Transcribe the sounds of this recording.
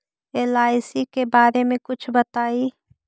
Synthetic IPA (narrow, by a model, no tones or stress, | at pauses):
eːlaːɪsikebaːɾemẽkʊt͡ʃʰbɐt̪aːiː